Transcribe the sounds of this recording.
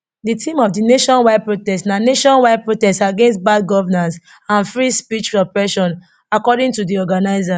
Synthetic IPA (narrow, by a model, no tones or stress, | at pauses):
ditʰĩmɔfdineʃɔ̃nwaɪd̚pɹotɛstnaneʃɔ̃nwaɪd̚pɹotɛstaɡẽnstbad̚ɡɔvɛnãns | ãnfɹispit͡ʃpɔpɹɛʃɔ̃n | akɔdĩŋtudiɔɡanaɪza